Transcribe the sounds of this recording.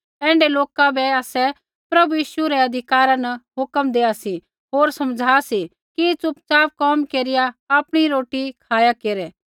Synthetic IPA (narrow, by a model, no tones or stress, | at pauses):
ɛ̃ːɳɖɛloːkabɛaːsɛ | pɾɐbujiːʃuɾɛɐd̪ʱɪkaːɾãnɐɦʊkəmd̪eːasi | ɦoːɾsɐmd͡ʒʱaːsi | kit͡sʊpt͡saːʋkɔːmkeːɾɪjaaːpɽ̃iɾoːʈikʰaːjakeːɾɛ